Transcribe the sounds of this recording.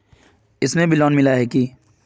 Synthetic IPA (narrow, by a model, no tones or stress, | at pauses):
ɪsnẽbʱɪlɔːnmɪlaɦɛki